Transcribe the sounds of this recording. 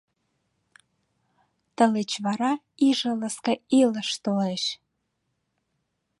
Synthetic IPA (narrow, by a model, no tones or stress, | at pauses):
t̪ə̆let͡ɕβɑɾɑ | iʒə̆ləskəiləʃt̪oleʃ